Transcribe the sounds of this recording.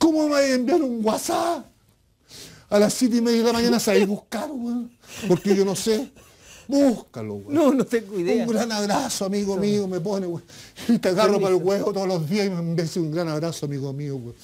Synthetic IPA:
komomajembjenuŋɡwasa | alasjet̪̬eimeðjaðelamaɲanasaiβuhkaɾwe | poɾkeʝonose | buhka̰lo̰wenonot̪ekiðuŋɡɾanaβɾasoamiɣomiomep̬oneweit̪aɣaropalɣweɣot̪oðolozðiasimembeseuŋɡɾanaβɾasoamiɣomiowe

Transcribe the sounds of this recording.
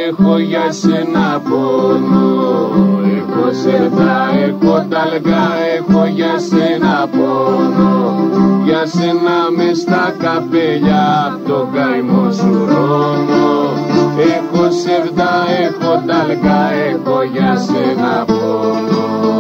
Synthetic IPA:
exoʝɐsenɐpono | exoseɾðɐexod̪ɐlɣɐexoʝɐsenɐponoʝɐsenɐmest̪ɐkɐpeʎɐt̪oɡɐjmosuɾono | exoseɾðɐexod̪ɐlɣɐexoʝɐsenɐpono

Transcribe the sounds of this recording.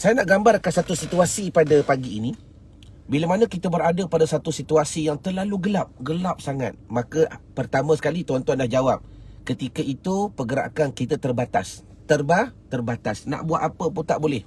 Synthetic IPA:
sajanaʔɡambarkansat̪usit̪uasipadəpaɡiːni | biləmanə̃kit̪əbəɾadəpadasat̪usit̪uasijaŋt̪əlaluɡəlap̚ɡəlap̚saŋa̰t̪̚mãkəpərt̪amə̃sə̥kalit̪uant̪uandahd͡ʒawap̚ | kət̪ikəit̪upəɡəɾa̰ʔkankit̪ət̪ərbat̪as | t̪ərbaht̪ərbat̪asna̰ʔbuat̪apəp̬unt̪aʔbolɛh

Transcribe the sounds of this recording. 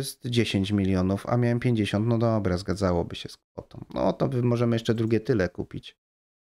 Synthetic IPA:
st̪d͡ʑeɕeɲt͡ɕmʲilʲjɔnufa̰mʲjawɛmpʲjeɲd͡ʑeɕɔnt̪nɔd̪ɔbɾɛzɡad̪zawɔbɘɕɛskfɔt̪ɔ̰̃mnɔ̰ɔt̪ɔbɘmɔʐɛmɘjɛʂt͡ʂɛd̪ɾuɡʲɛt̪ɘlɛkupʲit͡ɕ

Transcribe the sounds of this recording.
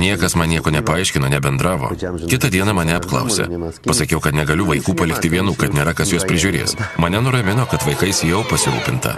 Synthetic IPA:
nʲiɛkɐsmɐnʲnʲiɛkoːnʲɛpɐɐɪʃʲkʲɪnoːnʲɛbʲɛnd̪ɾɑːʋo̰ːkʲɪt̪ɐd̪ʲiɛnɐmɐnʲɛɐpklˠɐ̰ʊsʲḛpɐsɐkʲɛʊkɐt̪nʲɛɡɐlʲʊʋɐɪkuːpɐlʲɪk̚t̪ʲɪʋʲiɛnuːkɐt̪nʲeːɾɐkɐsjuɔspʲɾʲɪʒʲʊɾʲḛːsmɐnʲɛnʊɾɐmʲɪnoːkɐt̪ʋɐɪkɐɪsjɛʊpɐsʲɪɾṵːpʲɪnt̪ɐ̰

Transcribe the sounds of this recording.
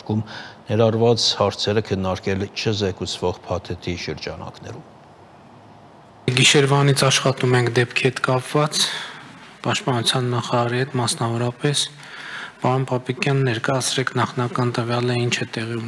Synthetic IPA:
ɾkʰumnɛɾɑrvɑt͡shɑɾt͡sʰɛɾəkʰənːɑɾkɛlt͡ʃʰəzɛkut͡sʰvɔʁpʰɑt̪ʰɛt̪ʰiʃəɾd͡ʒɑnɑ̰knɛ̰ɾum | ɡiʃɛɾvɑnit͡sʰɑʃχɑt̪umɛŋkʰd̪ɛpkʰihɛt̪kɑpvɑt͡s | pɑʃt̪pɑnut͡sʰjɑnːɑχɑɾɑɾihɛt̪mɑsnɑvɔɾɑpɛs | pɑɾɔnpɑpikjɑnːɛɾkɑjɑt͡sʰɾɛkʰnɑχnɑkɑnt̪əvjɑləint͡ʃʰɛt̪ɛʁiu

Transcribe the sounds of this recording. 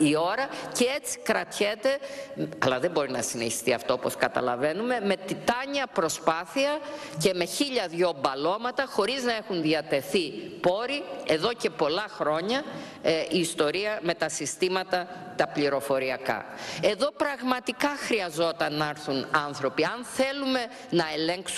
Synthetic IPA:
io̞ɾɐce̞et͡si̥kɾɐt̪çet̪e̞ɐlɐðembo̞ɾinɐsineçi̥st̪iɐft̪o̞opo̞skɐt̪ɐ̰lɐve̞nume̞me̞t̪it̪ɐɲɐpɾo̞spɐθiɐce̞me̞çiʎɐðʝo̞bɐlo̞mɐt̪ɐxo̞ɾiznɐe̞xunðiɐt̪e̞θipo̞ɾie̞ðo̞ce̞po̞lɐxɾo̞ɲɐ | iːst̪o̞ɾiɐme̞t̪ɐsist̪imɐt̪ɐ | t̪ɐpliɾo̞fo̞ɾiɐkɐ̰e̞ðo̞pɾɐɣmɐt̪ikɐxɾiɐzo̞t̪ɐnːɐɾθunɐnθɾo̞piɐnθe̞lume̞ | nɐe̞leŋks

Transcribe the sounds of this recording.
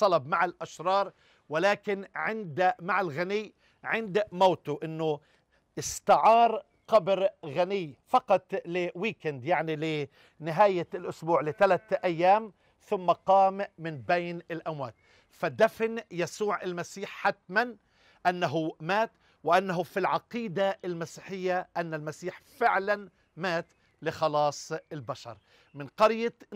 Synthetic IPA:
sˤɑlɑb̚maʕɪlʔaʃɾˤɑːɾˤ | wɪlaːkɪnʕɪnd̪maʕɪlɣanɪjː | ʕɪnd̪mawt̪ʊʔɪnːʊ | ʔɪst̪ɪʕɑːɾˤ | qabɾɣanɪjːfɑqɑt̪ˤlɪwiːkɪnd̪jaʕnilɪ | nɪɦaːjalʔʊsbuːʕlɪt̪alat̪ʔajːaːm | θʊmːaqɑːmːɪnbejnɪlʔamwa̰ːt̪ | fad̪afnjasuːʕalmasiːħħat̪man | ʔanːaɦʊmaːt̪ | wɪʔanːaɦʊfilʕɑqiːd̪aʔɪlmasiːħɪjːaʔanːalmasiːħfɪʕlan | maːt̪ | lɪxɑlɑːsˤɪlbaʃɑ̰ɾˤ | mɪnqɑɾja

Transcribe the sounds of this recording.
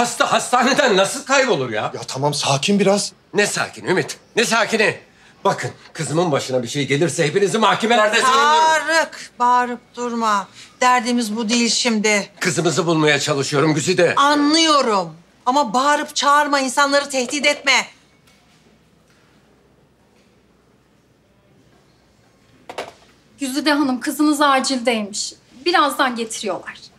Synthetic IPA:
hast̪aɦast̪ʰaːne̞d̪ænːasɯlˠkʰajbo̞lˠuɾja̰jat̪ʰamamsaːcʰimbiɾaz̥ | nɛsa̰ːcʰiniymit̪nɛsaːcini | b̥akʰɯnkʰɯzɯmɯnbaʃɯnabiʃe̞jiɟe̞lʲiɾsɛhepinizimhahcemelʲæɾd̪ɛd͡ʒt͡ʃaɾɯkbaːɾɯp̚d̪uɾmad̪̥æɾd̪iːmizbud̪ejilʲʃimd̪ɪkʰɯzɯmɯzɯbulˠmajat͡ʃʰalˠɯʃɯjo̞ɾumɟyzyd̪ɛanlˠɯjo̞ɾum | amabaːɾɯpt͡ʃʰaɾmainsanlˠaɾɯt̪ʰɛht̪iːd̪ɛt̪mɛ | ɟ̥yzyd̪ɛɦanɯmkʰɯzɯnɯzaːd͡ʒilʲd̪ejmiʃ | biɾazd̪anɟe̞t̪ʰiɾijolˠaɾ̥

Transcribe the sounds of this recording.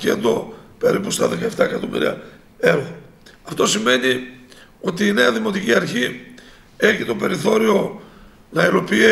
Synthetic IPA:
cḛnd̪o̞pe̞ɾipust̪ɐðe̞kɐe̞ft̪ɐekɐt̪o̞mḭɾḭɐ̰ | e̞ɾo | ɐft̪o̞sime̞ni | o̞t̪iːne̞ɐðimo̞t̪iciɐɾçi | e̞çit̪o̞pe̞ɾiθo̞ɾio̞ | nɐilo̞pi

